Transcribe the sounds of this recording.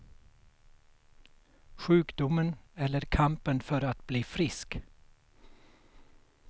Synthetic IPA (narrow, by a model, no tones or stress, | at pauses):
ɧʉːkd̪ʊmənɛlːəɾkʰampənfœɾat̪bliːfɾɪsk